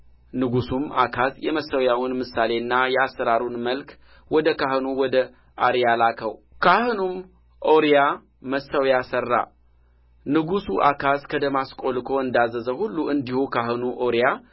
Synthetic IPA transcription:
nɨɡusumakʰazjɛməsəwjawʊnmɨsale̞ɨnːajɛasːəɾaɾunməlk | wɔd̪əkaɦɨnuwɔd̪ə | ʔaɾjalakʰəw | kʰahɨnum | ʔoɾija | məsːəwjasərːa̰ | nɨɡusuʔa̰kʰaskʰəd̪əmaskʼo̞lkʰo̞ɨnd̪azəzəhulːuʔɨnd̪ihukʰaɦɨnuʔoɾija

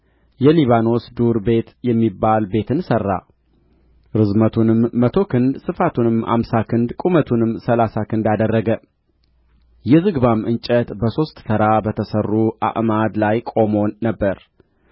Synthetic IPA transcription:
jɛliβano̞sd̪uɾbe̞t̪jɛmːibːalbe̞t̪ʰɨnsərːa̰ | ɾɨzmət̪ʰunɨmːət̪ʰo̞kɨnd̪sɨfat̪ʰunɨmha̰msakʰɨnd̪kʼumət̪ʰunɨmːsəlasakʰɨnd̪ad̪ərːəɡə | jɛzɨɡbamʔɨnt͡ʃʼət̪bəso̞st̪ʼsɨɾabət̪ʰəsərːuʔa̰ʔmad̪lajkʼo̞mo̞nːəbːəɾ

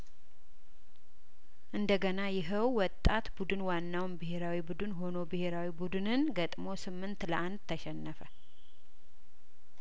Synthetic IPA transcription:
ʔɨnd̪əɡənajɪɦəwwɔt̪ʼːat̪bud̪ɨnwanːawnbɨɦe̞ɾawibud̪ɨnɦo̞no̞bɨhe̞ɾawibud̪ɨnɨnɡət̪ʼmo̞sɨmːɨnt̪ləʔand̪̚t̪ʰːəʃɛnːəfə

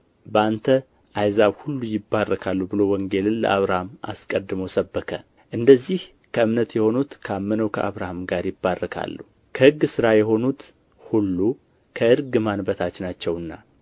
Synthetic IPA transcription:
bəant̪ʰə | ʔajzaβhulːujɪbːarːəkʰalːubɨlo̞wɔŋɡe̞lɨnlə̰ʔaβɾahamʔa̰skʼəd̪ːɨmowsəbːəkʰə | ʔɨnd̪əzːih | kʰəɨmnət̪jɛho̞nut̪kʰamːənəwkʰə̰ʔaβɾahamɡaɾjɪbːarːəkʰa̰lːu | kʰəhɨɡːsɨɾajɛɦo̞nut̪ | hulːu | kʰəɨɾɡɨmanbət̪ʰat͡ʃːɪnat͡ʃːɛwɨnːa

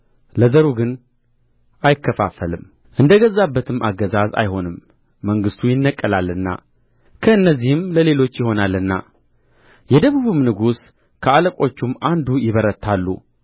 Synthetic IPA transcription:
ləzəɾuɡɨn | ʔajɪkːəfa̰fəlɨm | ʔɨnd̪əɡəzːabːət̪ʰɨmːʔa̰ɡːəzaza̰jho̞nɨmː | əŋɡɨst̪ʰujɪnːəkʼːəlalːɨnːa̰ | kʰəɨnːəzːihɨmləle̞lo̞t͡ʃːjɪho̞nalːɨnːa̰ | jɛd̪əβuβɨmnɨɡus | kʰəaləkʼo̞t͡ʃːumːʔand̪ujɪβəɾət̪ʰːalːṵ

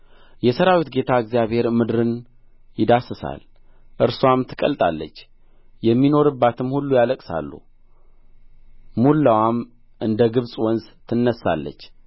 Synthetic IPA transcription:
jɛsəɾawit̪ɡe̞t̪ʰaɨɡzijaβhe̞ɾmɨd̪ɾɨn | jɪd̪asɨsa̰l | ʔɨɾswamt̪ʰɨkʼə̰lt̪ʼa̰lːə̰t͡ʃː | jɛmːino̞ɾɨbːat̪ʰɨmhulːujaləkʼsa̰lːṵ | mulːawam | ʔɨnd̪əɡɨβsʼwɔnzt̪ʰɨnːəsːa̰lːə̰t͡ʃː

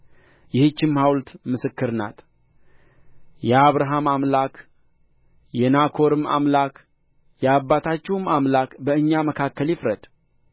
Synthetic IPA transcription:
jɪhɨt͡ʃːɪmhawlt̪mɨsɨkːɨɾna̰t̪ | jɛaβɾaɦamamlak | jɛnakʰo̞ɾɨma̰mlak | jɛabːat̪ʰat͡ʃːɛwɨmamlakbəɨɲːaməkʰakːəljɪfɾəd̪̥

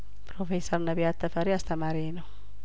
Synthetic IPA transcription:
pɾofesornabiat̪ːafaɾiast̪amaɾiːno

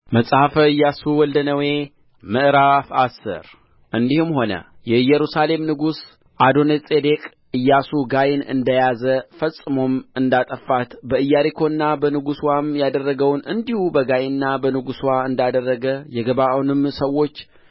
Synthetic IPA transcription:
məsʼhafɨjːasuwɔld̪ənəwe̞ | mɨʔɾafasːɨ̰ɾ | ʔɨnd̪ihɨmho̞nə̰jɛjːɛɾusale̞mnɨɡus | ʔad̪o̞nesʼed̪e̞kʼ | ɨjːasuɡajɪnɨ̰nd̪əjazəfəsʼːɨmo̞mɨnd̪at̪ʼəfːat̪bəɨjːaɾikʰo̞nːabənɨɡuswamjad̪ərːəɡəwnɨnd̪ihubəɡajnːabənɨɡuswaɨnd̪ad̪ərːəɡəjɛɡəβaʔwnɨmsəwːo̞t͡ʃː

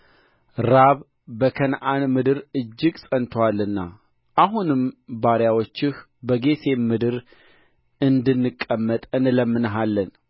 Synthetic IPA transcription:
ɾaβ | bəkʰənʔanmɨd̪ɨɾɨd͡ʒːɪɡsʼənt̪ʰwalːɨnːa̰ | ʔaɦunɨmbaɾjawo̞t͡ʃːɪh | bəɡe̞sʰe̞mɨd̪ɨɾ | ɨnd̪ɨnːɨkʼːəmːət̪ʼɨnləmːɨnəɦalːən

